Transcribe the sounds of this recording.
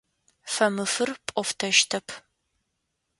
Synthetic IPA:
fɐmɨfɨrpʼɔftʰɐʃtʰɐpʰ

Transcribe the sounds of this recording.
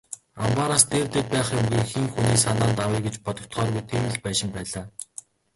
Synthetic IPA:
ampaɾast̪eːrt̪eːt̪̚pæːχjʊmɡĭːxiŋxuniːsanaːnt̪awiːɡet͡ɕpɔt̪ɞ̆k̚t̪χœːrɣujt̪ʰiːmɘ̆ɮpæːʃɪ̆mpæːɮaː

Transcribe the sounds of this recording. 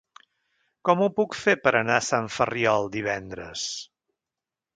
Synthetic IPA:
kɔmupukfepəɾʔənasaɱfəriɔlˠd̪iβ̞ɛnd̪ɾə̰s

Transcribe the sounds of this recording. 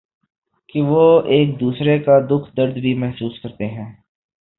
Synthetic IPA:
kiʋoːeːk̚d̪uːsɾekad̪ʊkʰd̪əɾd̪bʱimɛɦsuːskɐɾt̪eɦɛ̃ː

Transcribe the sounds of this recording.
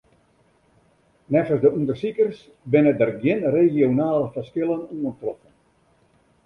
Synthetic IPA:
nɛfəsdəundərsikərs | bɪnədərɡjɪnreɣjonaːləfərskɪlˠənuəntrɔfən

